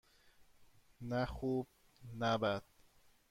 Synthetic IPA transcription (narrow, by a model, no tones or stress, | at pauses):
næxuːb̥̚ | næbæd̪̥̚